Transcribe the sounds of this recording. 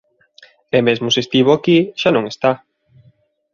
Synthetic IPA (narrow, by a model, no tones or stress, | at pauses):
emezmosest̪iβoakiʃanõŋest̪a